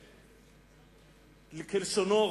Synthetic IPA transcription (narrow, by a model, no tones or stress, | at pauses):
likʰelisɔnɔ